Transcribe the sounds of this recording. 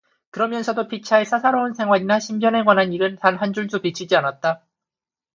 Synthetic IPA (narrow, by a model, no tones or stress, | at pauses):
kɯɾʌmjʌnsʰʌdopʰit͡ɕʰaesʰasʰaɾoŋɯnsʰe̞ŋɦwaɲinaɕʰimbjʌneɡwanɦaniɾɯntanɦand͡ʑuɭd͡ʑopit͡ɕʰid͡ʑianat̚t͈a